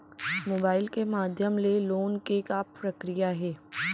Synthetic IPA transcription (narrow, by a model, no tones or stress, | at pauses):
moːbaːɪlkemaːd̪ʱjəmleloːnkeːkaɾɐkɾijaɦɛː